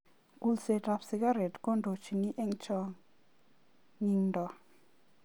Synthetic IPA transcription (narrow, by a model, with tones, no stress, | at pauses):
ku˦lse˧ta˧psi˧ɡa˦ɾe˨tko˦ndo˨t͡ʃi˨ŋi˦ʔe˦ŋt͡ʃɔ˧ | ŋi˧ŋndɔ˨